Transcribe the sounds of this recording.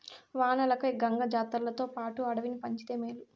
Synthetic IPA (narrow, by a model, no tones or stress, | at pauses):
ʋaːnɐlɐkɐjɡɐŋɡɐd͡ʒaːt̪ɐllɐt̪o̞ːpaːʈuɐɽɐʋinipɐɲt͡ʃit̪e̞ːmeːlu